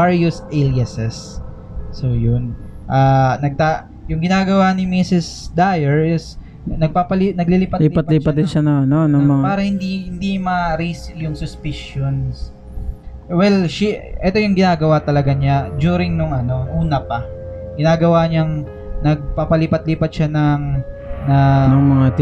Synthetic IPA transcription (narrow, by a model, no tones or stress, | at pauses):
aɹjusʔɛlɐsɛsː | ojʊn | ʔaːnɐɡ̚t̪a | jʊŋɡɪnaːɡɐwanɪmisɪsd̪ajɛɹɪs | nɐɡ̚paːpɐlinɐɡliliːpɐliːpɐt̪liːpɐt̪̚d̪ɪnʃanʊŋɐnonɐŋmɐŋpaːɾɐhɪnd̪ihɪnd̪imɐɾisjʊŋsʊspɪʃjons | wɛlʃiʔɛt̪ojʊŋɡɪnaːɡɐwat̪ɐlɐɡaɲad͡ʒuːɾɪŋnʊŋɐno̞ʔuːnɐpɐɡ̥ɪnaːɡɐwaɲɐŋ | nɐɡ̚paːpɐlipɐt̪liːpɐt̪̚ʃanɐŋnɐnɐŋmɐŋa